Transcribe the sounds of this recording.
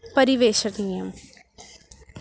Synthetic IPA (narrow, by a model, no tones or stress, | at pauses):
pɐɾiʋeːʃənijəm